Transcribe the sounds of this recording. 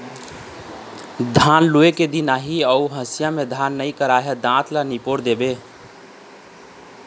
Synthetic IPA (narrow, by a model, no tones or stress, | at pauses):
d̪ʱanlueked̪inaɦiəuɦəsjamed̪ʱanːəjkəɾaɦed̪ãt̪lanipoɾd̪ebe